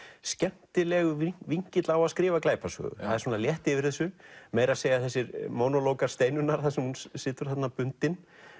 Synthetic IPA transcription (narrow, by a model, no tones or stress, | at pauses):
scɛn̥t̪ɪlɛɣʏviɲ̥cɪt̪lawaðskɾɪːvaklaːjpasœ̰ːɣʏ̰aðɪɾsɔːnaljɛht̪ɪvɪɾ̥θɛsːʏmeːjɾaseːjaθɛs̬ːɪɾmoːnɔloːwkaɾ̥st̪eːjnʏnːaɾ̥θaðsɛmhunsɪːt̪ʏɾ̥θat̪napʏnt̪ɪn